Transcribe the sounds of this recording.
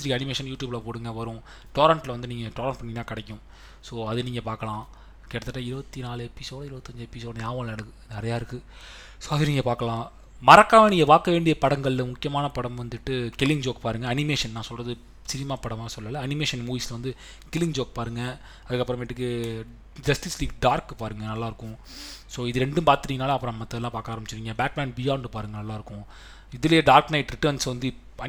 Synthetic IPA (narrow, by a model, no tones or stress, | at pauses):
sɾiɐnɪmeːʂɐnjuːʈjuːblaːpoːɽɯŋɡɐʋɐɾʊ̃ | ʈoːɾɐɳʈlɐʋɐnd̪ɯniːŋɡɐʈoːɾɐɳʈpɐɳːɪnãːkɐɽɛkːʊ̃ | soːɐðɯniːŋɡɐpaːɾkɐlãː | kɛːʈɐt̪ːɯʈːaːɪɾɯʋɐt̪ːinaːlɯɛpːisoːɽɐɪɾɯʋɐt̪ːɐɲd͡ʒɛpːisoːɽɐjaːʋɐ̃lnɐɽɯkːɯnɪɾɐjaːɪɾɯkːɯ | soːɐðɯniːŋɡɐpaːɾkɐɭãː | mɐɾɐkːaːʋɐniːŋɡɐpaːɾkɐʋeːɳɖɪjɐpɐɽɐŋɡɐɭlmʊkːɪjɐmaːnɐpɐɽɐmʋɐnd̪ɯʈːɯkɪlːɪŋd͡ʒoːkpaːɾɯŋɡɐːɐnɪmeːʂɐnnãːsɔlrɐðɯ | sɪɾɪmaːpɐɽɐʋaːsɔlːɐlːɐɐnɪmeːʂɐnmuːʋiːslɐʋɐnd̪ɯ | kɪlːɪŋd͡ʒoːk̚paːɾɯŋɡɐ | ɐðɯkːɐpːɯɾɐ̃ʋeːʈːɯkːɯ | d͡ʒɐsʈisliːkɖaːɾkːɯpaːɾɯŋɡɐnɐlːaːɪɾɯkːʊ̃soːɪðɯɾɛɳɖɯmpaːɾt̪ɪɾiːŋɡɐnaːlɐpːɯɾɐ̃nmɐt̪ːɐɛlãːpaːkaːɾɐmbɪt͡ʃːɪɾiːŋɡɐbaːk̚baːnbɪjaːɳɖɯpaːɾɯŋɡɐnɐlːaːɪɾɯkːʊ̃ | ɪðɯlɐjeːɖaːɾknɐɪʈɾɪʈəːɾnsʋɐnd̪ɯ | ɐ